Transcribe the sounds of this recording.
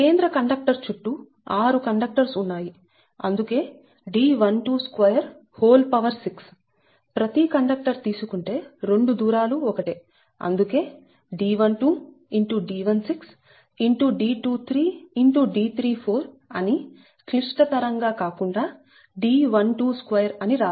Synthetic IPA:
ke̞ːnd̪ɾɐkɐɳɖɐk̚ʈɐɾt͡ʃuʈːu | aːɾukɐɳɖɐk̚ʈɐɾsunːaːji | ɐ̰nd̪uke̞ː | ɖiːʋɐnʈuːskʋɐjɐɾ | hoːlpɐʋɐɾsiks | pɾɐt̪ikɐɳɖɐk̚ʈɐɾt̪iːsukuɳʈe̞ːɾe̞ɳɖud̪uːɾaːluɔkɐʈeː | ɐ̰nd̪uke̞ː | ɖiːʋɐnʈuː | iɳʈuɖiːʋɐnsiks | iɳʈuɖiːʈuːt̪ʰɾiːiɳʈuɖiːt̪ʰɾiːpʰoːɾ | ɐ̰ni | kliʂʈɐt̪ɐɾɐŋɡaːkaːkuɳɖaː | ɖiːʋɐnʈuːskʋɐjɐɾɐniɾaː

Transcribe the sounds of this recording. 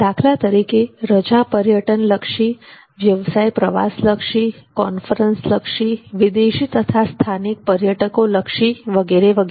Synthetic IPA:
d̪̥akʰlat̪əɾikeɾəd͡ʒapəɾjəʈənləkʃi | ʋjəʋsajpɾəʋa̰sləkʃikɔnfəɾənsləkʃiʋɪd̪eʃit̪ət̪ʰast̪ʰanik̚pəɾjəʈəkoləkʃiʋəɡeɾeʋəɡ

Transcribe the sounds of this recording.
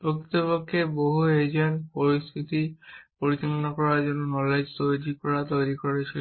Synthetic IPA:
pokit̪opokʰːeboɦued͡ʑenpoɾist̪ʰit̪ipoɾit͡ɕɔlɔnakɔɾad͡ʒonunɔled͡ʑt̪ojɾikɔɾat̪ojɾikɔɾet͡ɕʰi

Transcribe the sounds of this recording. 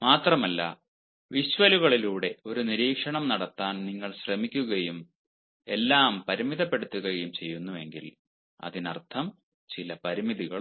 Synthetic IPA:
maːt̪rɐmɐlːɐ̰ | ʋiɕʋɐluɣɐɭiluːɽe̞o̞ɾuniɾiːkʂɐɳɐmnɐɽɐt̪ːaːnniŋːɐɭɕrɐmikʲːuɣɐjum | e̞lːaːmpɐɾimiðɐpːe̞ɽut̪ːuɣɐjumt͡ɕe̞jːunːuʋe̞ŋɡil | ɐ̰ðinɐ̰rt̪ʰɐm | t͡ɕilɐpɐɾimiðiɣɐɭ

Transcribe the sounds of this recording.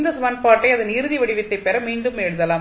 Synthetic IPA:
nd̪ɐsɐmɐːnpaːɾʈːɐɪɐðɯniːɾɯðiʋɐɽɪʋɪt̪ːɐɪpːɛɾɐmiːɳɖɯmɛɽɯðɐlaːm

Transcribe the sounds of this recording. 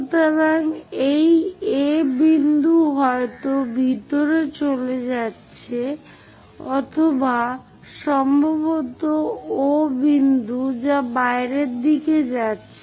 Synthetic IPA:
t̪aɾaŋejebind̪uɦɔet̪obʱit̪oɾet͡ɕoled͡ʑatːɕʰe | ɔt̪ʰoba | ʃɔmbʱabot̪oobind̪ud͡ʑabaeɾeɾd̪iked͡ʑatːɕʰe

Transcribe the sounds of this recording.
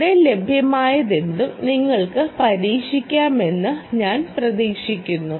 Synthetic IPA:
ɽele̞bʱjɐmaːjɐðend̪umniŋːɐɭkɨpɐɾiːkʂikʲːaːme̞nːɨɲaːnprɐðiːkʂikʲːunːu

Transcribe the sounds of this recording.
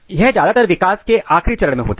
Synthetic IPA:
jɛɦd͡ʒjaːd̪at̪əɾʋɪkaːskeʔaːxɾit͡ʃɐɾəɽmẽɦo̰ːt̪a

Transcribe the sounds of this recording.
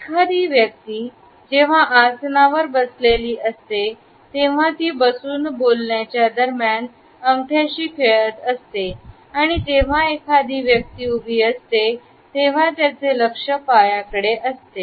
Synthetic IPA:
ekʰad̪iːʋjək̚t̪iː | d͡ʑeʋ̤aʔasnaʋəɾbəsleliːʔəst̪e | t̪eʋ̤at̪iːbəsuːnbolɳjat͡ɕjad̪əɾmjan | əŋʈ̪ʰjaɕiːkʰeɭət̪əst̪e | aɽ̃id͡ʑeʋ̤aekʰad̪iːʋjək̚t̪iːubʱiːəst̪e | t̪eʋ̤at̪jat͡seləkʂəpajakəɽeʔəst̪e

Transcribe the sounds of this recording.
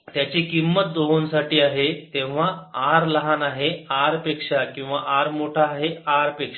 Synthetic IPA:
t̪jat͡ɕekimːət̪̚d̪oɦunsaʈiːaɦet̪ẽʋ̤aaɾləɦanaɦeaɾpekʂakĩw̃ʋaʔaɾmoʈʰaːɦeaɾpekʂa

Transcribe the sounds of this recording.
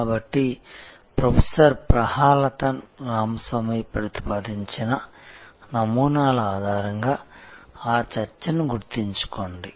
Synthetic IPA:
kaːbɐʈːi | pɾɐpʰesɐɾpɾɐhaːlɐt̪ɐnɾaːmɐsʋɐmiːpɾɐt̪i̥paːd̪iɲt͡ʃinɐnɐmuːnaːlɐaːd̪ʱaːɾɐŋɡaːaːt͡ʃɐɾt͡ʃɐnuɡuɾt̪iɲt͡ʃu̥koɳɖi

